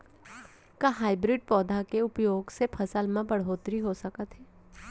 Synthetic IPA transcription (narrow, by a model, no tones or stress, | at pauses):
kaɦaːɪbɾɪɖ̚pɔːd̪ʱakeʊpjoːɡsepʰɐsəlmãbəɽ̤oːt̪ɾiɦosɐkət̪ɦɛː